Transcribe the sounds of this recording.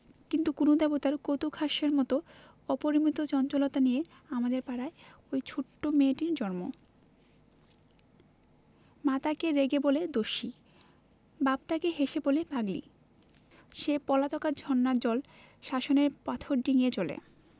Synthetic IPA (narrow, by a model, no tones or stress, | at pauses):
kint̪ukunod̪ɛbot̪aɾkot̪ukʰaʃeɾmɔt̪o | ɔpoɾimit̪ot͡ɕɔnt͡ɕolot̪anije | amad̪eɾpaɾae | ojt͡ɕʰoʈːomeʈiɾd͡ʑɔɾmo̰ | mat̪akeɾeɡeboled̪oʃi | babt̪akeɦeʃebolebaɡlḭ | ʃepɔlat̪ɔkad͡ʑʱɔnːad͡ʑɔl | ʃaʃoneɾpat̪ʰoɾɖiniet͡ɕolḛ